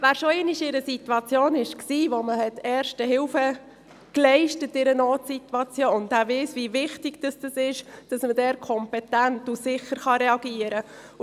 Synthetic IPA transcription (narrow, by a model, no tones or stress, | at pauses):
væːɾʃoɛniʃɪɾəsituɑt͡sjoːnɪʃksiːʋoməhɛtɛːɾʃtəɦɪwfə | klɛɪʃtətːɪɾənoːtsitwɑt͡sjoːʊndavɛsvivɪχtɪɡ̥d̥ɑsd̥əsɪʃd̥ɑsmədɛːɾkʰɔmpɛtæntusɪχəɾχɑɾɛɑɡiəɾə